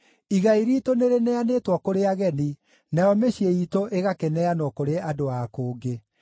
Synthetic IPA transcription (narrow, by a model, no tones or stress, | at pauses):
iɣaiɾitoneɾenɛanetwɔkoɾeaɣɛni | najɔmeɕieitoʔeɣakenɛanɔkoɾeadoakoːɡe